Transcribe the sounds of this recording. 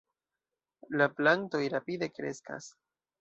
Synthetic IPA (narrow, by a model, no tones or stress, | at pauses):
laplanto̞jɾapide̞kɾe̞ska̰s